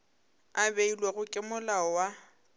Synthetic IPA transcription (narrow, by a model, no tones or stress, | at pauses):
abeilweɣʊkʼɪmʊlaɔwa